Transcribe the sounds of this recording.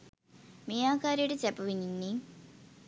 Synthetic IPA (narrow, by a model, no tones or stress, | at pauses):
miːaːkaːɾijəʈət͡ɕæpuʋininːi